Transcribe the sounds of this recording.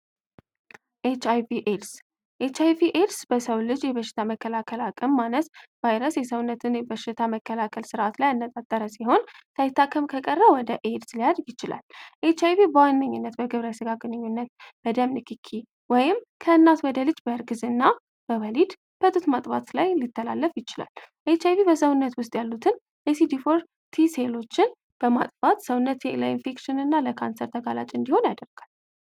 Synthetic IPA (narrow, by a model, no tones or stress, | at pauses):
ʔet͡ʃajviʔeds | ʔet͡ʃajviʔed̪sb̥əsəwlɨd͡ʒjɛβəʃːɪ̥t̪ʰaməkːəlakʰəlakʼəmːanəsv̥ajɾəsjɛsəwʊnːət̪ʰɨnbəʃːɪt̪ʰaməkːəlakʰəlsɨɾʔat̪lajɨnːət̪ʼat̪ʼːəɾəsiho̞nsajɪt̪ːakʰːəmkʰəkʼərːəwɔd̪əʔed̪slijad̪jɪt͡ʃɪla̰lʔet͡ʃajvibəwanːəɲːunːət̪bəɡɨβɾəsɨɡaɡʼɨnɨɲːunːət̪b̥əd̪əmnɨkʰikʰi | wɔjɪm | kʰəɨnːat̪wɔd̪əlɨd͡ʒbəɾɡɨzɨnːa | b̥əβəlid̪ | b̥ət̪ʼut̪mat̪ʼfat̪lajlit̪ʰːəla̰lːəfjɪt͡ʃɪla̰lʔet͡ʃajβibəsəwʊnːət̪wʊst̪ʼjalːut̪ʰɨn | ʔesid̪ifoɾ | t̪ʰise̞lo̞t͡ʃːɪn | b̥əma̰t̪ʼfat̪səwʊnːət̪ləinfekʃɪnɨnːaləkʰansəɾt̪ʰəɡalat͡ʃʼɨnd̪iho̞njad̪əɾɡ̥al